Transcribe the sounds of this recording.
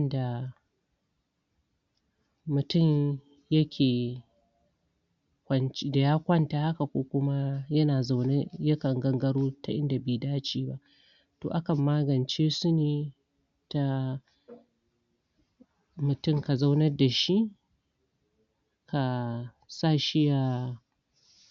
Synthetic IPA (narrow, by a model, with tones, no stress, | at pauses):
ɐ˦nda˨ | mʊ˨tʊ˦˨m | jɐ˦kʲʰeː˨ | kʷɐ˦nt͡ʃda˨jaː˦kʷɐ˦nta˨ha˦ka˨kʷoː˦kʷʊ˦ma˦jɐ˦naː˨za˦wne˦jɐ˦kɐ˨ŋɡɐ˦ŋɡɐ˦ɽoː˦ta˨ʔɪ˦nda˨beː˨daː˦t͡ʃiː˦ba˦ʔ | to̰ː˨ʔa˦kɐ˨mːaː˦ɡɐ˨nt͡ʃeː˦sʊ˦neː˨ | ta˦ | mʊ˨tʊ˦˨ŋka˨za˦wnɐ˦rda˨ʃi˦ | kʰa˨ | sa˦˨ʃɪ˦ja˨